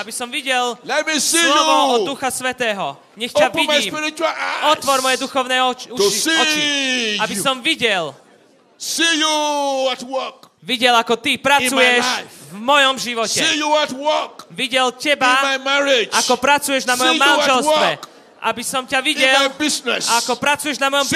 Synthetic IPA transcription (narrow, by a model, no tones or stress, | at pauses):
abisɔmʋiɟɛllɛtmisilɔuɔɔd̪uxasʋɛt̪ɛːɦɔ | ɲɛxãimaismpiɾit͡ʃualaɔt̪ʋɔɾmɔjɛd̪uxɔʊnɛɔt͡ʃut͡ʃisiɔiabisɔmʋiɟɛl | sijuatwɔkʋiɟɛlakɔt̪ipɾat͡sujɛʃjvmɔjɔmʒiʋɔcɛijuatwɔkʋiɟɛlcɛbanmajmɛɹed͡ʒakɔpɾat͡sujɛʒnamɔjɔmːanʒɛllsɔʋɛk | ʔa̰bisɔmcaʋiɟɛlabiznɛsakɔpɾat͡sujɛʒnamɔjɔm